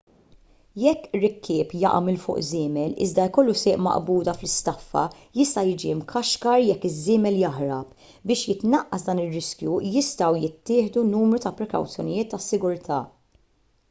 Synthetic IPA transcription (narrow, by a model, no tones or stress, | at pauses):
jɛkːɾːɪkʰːɪːpjɐ̰ʔɐmɪlfʊ̰ːʔzɪːmɛlɪ̰zd̪ɐkɔlːusɪːʔmɐ̰ʔbuːd̪ɐflɪst̪ɐfːɐ̰ | jɪst̪ɐjɪːd͡ʒiɪmkʰɐʃkɐɾjɛkːɪzːɪːmɛljɐħɾɐp | bɪːʃjɪt̪nɐʔːɐsd̪ɐːnɪrːɪskjujɪst̪ɐwjɪt̪ːɪːħd̪unuːmɾut̪ɐpɾɛkɐ̰wt͡sjɔnɪjɪːt̪ːɐsːɪɡʊɾt̪ʰɐː